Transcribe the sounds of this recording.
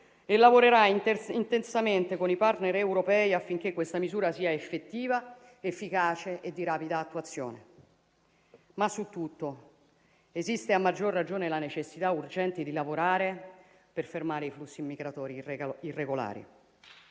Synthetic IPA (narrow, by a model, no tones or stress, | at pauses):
elːavoɾeɾainint̪ensament̪ekonipart̪neɾɛwɾopɛːiafːiŋk̟ekːwest̪amizuːɾasiːaefːet̪ːiːva | efːikaːt͡ʃeʔed̪ːiɾaːpid̪aːt̪ːuat̪sːjo̰ːne | masːut̪ːut̪ːo | ezist̪eamːad͡ʒːorːad͡ʒoːnelanet͡ʃesːit̪aurd͡ʒɛnt̪id̪ilavoɾaːɾe | perfermaːɾeiflusːimːiɡɾat̪ɔːɾiirːeɡola̰ːɾḭ